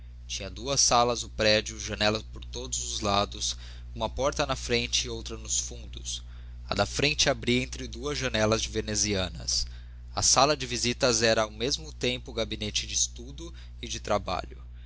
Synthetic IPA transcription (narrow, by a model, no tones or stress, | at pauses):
t͡ʃĩɲɐd̪uɐsalɐzʊpɾɛd͡ʒʊʒɐnɛlɐspoɾt̪od̪ʊzʊzlad̪ʊs | ũmɐpɔɾt̪ɐnɐfɾẽnt͡ʃɪːowt̪ɾɐnʊsfũnd̪ʊs | ɐ̰d̪ɐfɾẽnt͡ʃɪabɾiẽnt̪ɾɪd̪uɐzʒɐnɛlɐzd͡ʒɪveneziɐ̃nɐ̰s | ɐ̰salɐd͡ʒɪvizit̪ɐzɛɾɐawmezmʊt̪ẽmpʊɡabinet͡ʃɪd͡ʒɪːst̪ud̪ʊ | ɪd͡ʒɪt̪ɾaba̰ʎʊ